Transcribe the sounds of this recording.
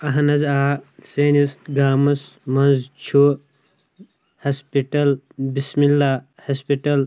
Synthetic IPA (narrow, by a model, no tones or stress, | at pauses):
ɐɦɐnɐzaːseːnisɡaːmɐsmɐnzt͡ʃʰu | hɐspiʈɐl | bismilːa | hɐspiʈɐl